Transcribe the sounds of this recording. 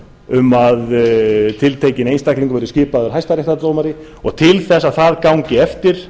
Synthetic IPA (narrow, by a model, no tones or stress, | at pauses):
ʏmaðt̪ʰɪlt̪ʰeːjcɪnejnst̪ahkliŋkʏvɛjɾʏscɪːpaðʏɾ̥ɦajst̪aɾeht̪at̪owmaɾɪ | ɔɣt̪ʰɪlθɛsːaðθaðkawɲcɪɛft̪ɪɾ̥